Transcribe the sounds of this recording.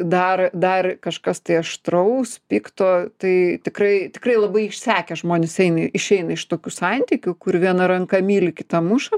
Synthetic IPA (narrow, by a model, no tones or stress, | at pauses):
d̪ɐrd̪ɐrkɐʃkɐst̪ɐɪɐʃt̪ɾɐʊspʲiːkt̪oːt̪ɐɪt̪ʲɪkrɐɪt̪ʲɪkrɐɪlˠɐbɐɪɪʃʲsʲæːkʲɛʒmoːnʲɪsɛɪnɐɪʃʲɛɪnɐɪʃt̪oːkʲusɐnʲt̪ʲɪkʲʊkʊɾʋʲiɛnɐɾɐŋkɐmʲiːlʲɪkʲɪt̪ɐmʊʃɐ